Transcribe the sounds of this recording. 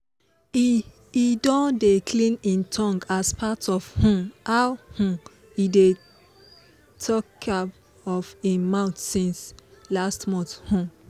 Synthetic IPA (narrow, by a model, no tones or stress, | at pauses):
i | idɔ̃ndekʰlĩnĩntʰɔ̃ŋɡaspʰatɔvhũmawhũ | ide | tʰɔkʰap | ɔfemãʊ̃ntsĩnslastmɔ̃nthũm